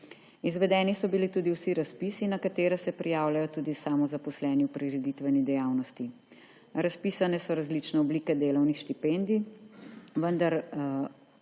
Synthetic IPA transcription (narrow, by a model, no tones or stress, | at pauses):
izʋɛd̪ɛːnisɔbilit̪uːd̪iwsiɾaspiːsinakat̪eːɾɛsɛpɾijaːwlajɔt̪uːd̪isaːmɔzapɔslɛːniwpɾiɾɛd̪it̪ʋɛnid̪ɛjaːwnɔst̪i | ɾaspiːsanɛsɔɾazlit͡ʃnɛɔbliːkɛd̪eːlɔwnixʃt̪ipɛnd̪i | ʋənd̪aɾ